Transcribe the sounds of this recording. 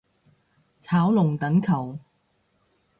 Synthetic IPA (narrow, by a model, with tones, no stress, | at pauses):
t͡sʰaː˨˥wlʊ˨˩ŋt̪ɐ˨˥nkʰɐ˨˩w